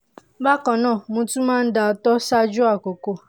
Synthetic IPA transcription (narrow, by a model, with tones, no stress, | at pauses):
ba˦kɔ˨nɔ̃˦˨mũ˦tu˦ma˦n̩˦da˨ɔ˨tɔ˦sa˦d͡ʒu˦a˨ko˨ko˦